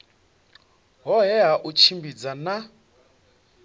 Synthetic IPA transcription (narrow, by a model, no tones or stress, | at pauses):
ɦɔɦɛɦaʔut͡ʃʰimbid͡zana